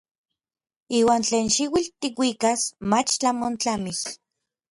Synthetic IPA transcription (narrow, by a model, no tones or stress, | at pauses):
iːwaːnt͡ɬeːnʃiwilt̪ikwiːkasmat͡ʃt͡ɬamont͡ɬamih